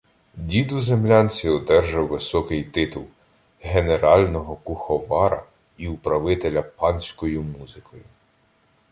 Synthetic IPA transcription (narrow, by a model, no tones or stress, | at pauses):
dʲid̪ʊzemlʲɑnʲt͡sʲiɔd̪ɛrʒɐwːɪsɔkɪjt̪ɪt̪ulˠ | ɦeneɾɑlʲnɔɦɔkʊxɔʋɑɾɐ̰ | iupɾɐʋɪt̪elʲɐpɑnʲsʲkɔjʊmuzɪkʰɔjʊ